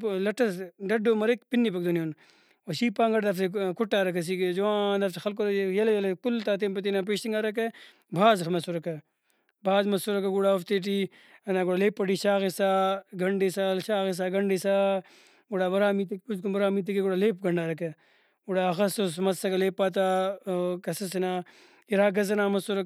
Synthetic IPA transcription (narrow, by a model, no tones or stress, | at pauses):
lɐʈɐsɖɐɖoːmɐɾekpinːip̬ɐk̚d̪onijoːn | oʃiːpaːŋɡɐɽd̪ɐfsekuʈːaːɾɐkɐs̬iːked͡ʒowãːnd̪ɐfsɐxɐlk̬oɾɐjɐljɐlekult̪aːt̪emp̬ɐt̪inap̬eːʃiŋɡaːɾɐk̬e | bʱaːzxmɐsuɾɐkɐ | bʱaːzmɐsuɾɐkɐɡuɽaːoft̪eʈ̬iː | ɐnaːɡuɽaleːpːɐʈiːʃaːɣisaːɡɐɳɖisalʃaːɣis̬aːɡɐɳɖisaː | ɡuɽaːbɐɾaːmiːt̪ik̚puzkubɐɾaːmiːt̪̬ikeɡuɽaːleːp̚ɡɐɳɖaːɾɐkɐ | ɡuɽaːɐxɐsosmɐsɐkɐleːpːaːt̪̬aːkɐsɐsinaː | iɾaːɡɐzɐnaːmɐsuɾɐ